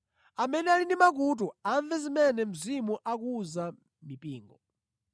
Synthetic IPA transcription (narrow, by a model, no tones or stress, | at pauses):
amɛnɛalinimak̬ut̬uaɱvɛzimɛnɛm̩zimuʔak̬uza | mipiːŋɡɔ